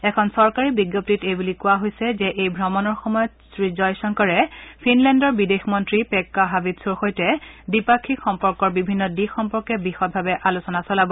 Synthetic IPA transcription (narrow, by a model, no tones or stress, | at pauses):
ɛkʰɔnsɔɹkaɹibiɡjop̚titejbulikʊwaɦojsɛzɛʔejbʱɹɔmɔnɔɹxɔmɔjɔtsɹid͡ʒɔjsɔŋkɔɹɛpʰinlɛndɔɹbidexmɔntɹipɛkːaɦabidsuɹxojtɛdipakʰːikxɔmpɔɹkɔɹbibʱinːɔdixɔmpɔɹkɛbixɔt̚bʱabɛʔalusɔnasɔlabɔ